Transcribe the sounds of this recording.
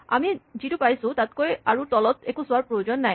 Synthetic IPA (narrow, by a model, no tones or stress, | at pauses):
a̰mid͡ʑiʈupajsut̪at̪koeaɾut̪ɔlot̪ekusaɾpɾojod͡ʑonːɛj